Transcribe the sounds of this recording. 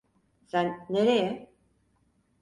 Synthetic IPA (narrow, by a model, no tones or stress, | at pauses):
sænːeɾejɛ